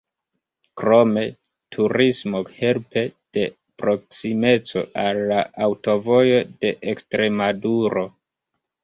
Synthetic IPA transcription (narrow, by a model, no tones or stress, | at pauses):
kɾo̞me̞ | tʰuɾismo̞he̞lpe̞d̥e̞ | pɾo̞k̚sime̞t͡so̞̰alːaawto̞vo̞jo̞de̞ʔekstɾe̞maduɾo̞